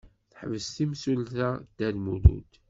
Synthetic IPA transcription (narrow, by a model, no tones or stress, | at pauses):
θħvəst̪imsulθæd̪̥ælmulṵd̪